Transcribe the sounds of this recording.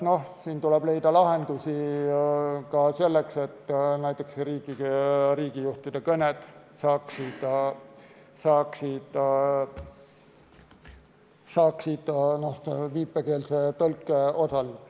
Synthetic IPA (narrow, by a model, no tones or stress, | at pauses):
no̞hsiːnt̪ulɛb̥le̞jd̪̥ɑlɑɦe̞nd̪̥usi | kɑse̞lːekse̞t̪ːnæjt̪ːˑe̞kseɾiːɡiriːɡ̥ijuht̪id̪̥e̞kɤnet̪sɑːksid̪̥ | sɑːksid̪̥ | sɑːksid̪̥no̞hviːpːˑeke̞ːlset̪ɤlkːˑeo̞sɑliuks